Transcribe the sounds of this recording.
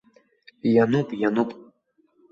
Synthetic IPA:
janɨpʼjanupʼ

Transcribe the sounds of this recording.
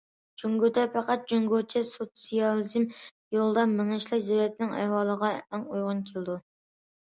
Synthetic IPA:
d͡ʒuŋɡod̪ɛpʰɛqɑt̪̚d͡ʒuŋɡot͡ʃʰɛsot̪sijɑlˠizm | jolˠd̪ɑmɪŋɪʃlˠɑkd̪øwlɛt̪ʰɪnɪŋæ̰hwɑːlˠəʁɑæŋujʁʊnkʲʰeld̪u

